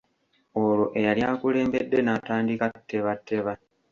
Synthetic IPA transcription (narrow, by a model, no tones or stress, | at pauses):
oloʔe̞jaljaːkule̞ːmbe̞dːe̞nataːndikatʰːe̞βatʰːe̞βa